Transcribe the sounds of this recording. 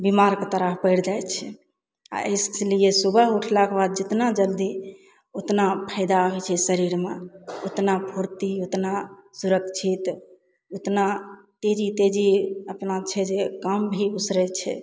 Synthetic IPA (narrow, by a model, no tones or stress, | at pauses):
bimaɾkt̪əɾəɦpəɪɽd͡ʒaj̪t͡ʃʰɛ | a̰ʔə̰jslijesubəɦuʈʰlakbad̪̚d͡ʒɪt̪nad͡ʒəld̪i | ot̪napʰəɪd̪aɦojt͡ʃʰɛsəɾiɾmeot̪napʰuɾt̪iot̪nasuɾəkt͡ʃʰit̪ | ot̪nat̪ed͡ʒit̪ed͡ʒiəpnat͡ʃʰɛd͡ʒekəmbʱiusɾɛt͡ʃʰɛ̰